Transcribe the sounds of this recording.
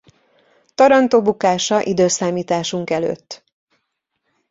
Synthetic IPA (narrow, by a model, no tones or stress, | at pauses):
t̪ɒɾɒnt̪oːbukaːʃɒʔid̪øːsaːmiːt̪aːʃuŋkɛlø̰ːt̪ː